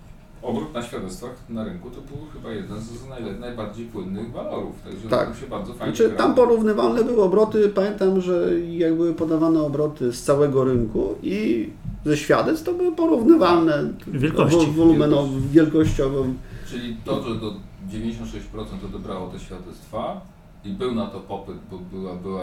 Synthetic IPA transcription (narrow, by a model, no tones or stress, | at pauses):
ɔbɾut̪naɕfʲjad̪ɛt̪st̪faxnaɾɘŋkut̪ɔbɘwxɘbajɛd̪ɛnznajlɛnajbaɾd͡ʑejpwɘnːɘɣvalɔɾṵft̪a̰ɡʐɛt̪a̰kɕɛbaɾd̪zɔfaj̪at͡ʂɘampɔɾuvnɘvalnɛbɘwɘɔbɾɔt̪ɘpamʲjɛnt̪amʐɛjaɡbɘwɘpɔd̪avanɛɔbɾɔt̪ɘst̪sawɛɡɔɾɘŋkui | zɛɕfʲjad̪ɛt̪st̪ɔbɘwɘpɔɾuvnɘvalnɛvjɛlkɔɔvɔlumɛnɔvvʲjɛlkɔɕt͡ɕɔvɔ̃t͡ʂɘlʲit̪ɔʐɛd̪ɔd͡ʑevʲeɲd͡ʑʲeɕɔ̃nt̪ʂɛɕt͡ɕpɾɔt̪sɛnt̪ɔvɔbɾawɔt̪ɛɕfʲjad̪ɛt̪st̪fa | ibɘwnat̪ɔpɔpɘt̪̚bɔbɘwabɘwa